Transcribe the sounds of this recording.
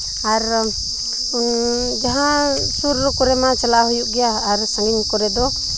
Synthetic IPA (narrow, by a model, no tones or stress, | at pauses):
aɾ | d͡ʒaɦã | suɾɔkɔɾɛmat͡ʃalaɦujuʔɡɛjaːɾsaŋɡinkɔɾɛd̪ɔ